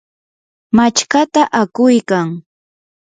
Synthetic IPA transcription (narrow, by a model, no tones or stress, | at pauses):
mat͡ʃkat̪aʔakʊjkaŋ